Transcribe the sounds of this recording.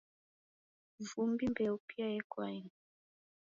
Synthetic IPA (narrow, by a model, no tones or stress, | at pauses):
vumbimbɛupiajɛkwaiŋ